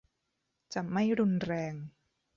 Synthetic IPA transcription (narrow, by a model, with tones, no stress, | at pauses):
t͡ɕa˨˩ma˥˩jɾu˧nɾɛː˧ŋ